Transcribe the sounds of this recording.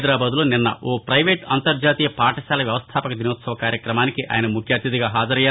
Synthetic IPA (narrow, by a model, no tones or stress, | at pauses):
d̪ɾaːbaːd̪ulo̞ːninːɐ̰ʔoːpɾɐjʋeːʈɐ̰nt̪ɐɾd͡ʒaːt̪iːjɐpaːʈɐʃaːlɐʋjɐʋɐst̪ʰaːpɐkɐd̪inoːt̪sɐʋɐkaːɾjɐkɾɐmaːnikiʔa̰ːjɐnɐmukʰjaːt̪jɐd̪iɡaːɦaːd͡ʒɐɾɐjaː